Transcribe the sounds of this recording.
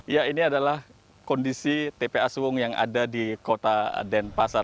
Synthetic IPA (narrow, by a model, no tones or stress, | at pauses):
jainiadalah | kɔndisit̪epeasuwʊŋjaŋʔa̰dadikot̪adɛnpasar